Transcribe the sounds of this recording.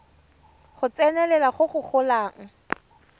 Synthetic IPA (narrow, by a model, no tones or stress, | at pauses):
χʊt͡sɛnɛlɛlaχʊχʊχʰʊlaːŋ̩